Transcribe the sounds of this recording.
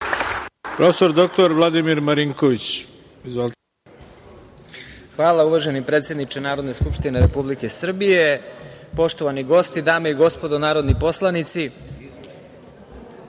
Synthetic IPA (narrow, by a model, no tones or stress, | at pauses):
pɾʔofesoɾd̪ok̚t̪oɾʋlˠad̪imiɾmaɾiŋkoʋit͡ɕ | izʋol | xʋaːlˠauʋaʒenipɾet̪sje̞d̪nit͡ʃenaːɾo̞d̪ne̞skupʂt̪ineɾepublike̞sr̩bije̞po̞ʃt̪o̞ʋaniɡo̞st̪id̪aːmeiɡo̞spo̞d̪onaːɾo̞d̪nipo̞slˠanit̪si